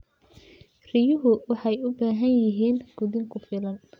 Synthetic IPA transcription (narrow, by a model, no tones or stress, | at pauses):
rɪjʊɦʊwɑħɑjʊbaːɦɐnjɪɦiːnɡ̥ʊðɪŋkʰʊfɪlɐn